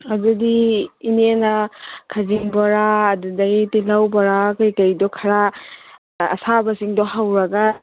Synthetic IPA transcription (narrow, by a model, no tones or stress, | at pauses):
adudiːnenɐkʰaziŋbɐɾaːdudɐɡitilawbɐɾakɯjkajdɔkʰɐɾa | ɐ̰sabɐsiŋdɔɦawɾɐɡa